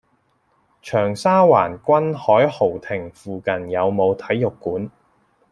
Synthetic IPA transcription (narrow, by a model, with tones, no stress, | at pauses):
t͡ʃʰœː˨˩ŋsaː˥waː˨˩nkʷɐ˥nhɔː˨˥jho˨˩wt̪ʰɪ˨˩ŋfuː˨kɐ˨njɐ˨˧wmo˨˧wt̪ʰɐ˨˥jːʊ˨kːuː˨˥n